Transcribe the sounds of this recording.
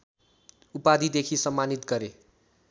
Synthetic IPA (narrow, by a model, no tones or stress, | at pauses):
upad̪ʱid̪ekʰisʌmːanit̪ɡʌɾe